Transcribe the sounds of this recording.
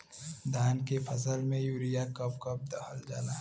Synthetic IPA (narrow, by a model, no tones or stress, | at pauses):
d̪ʱaːnkepʰɐsəlmẽjuːɾijakəpkəp̚d̪ɐxəld͡ʒa̰ːnaː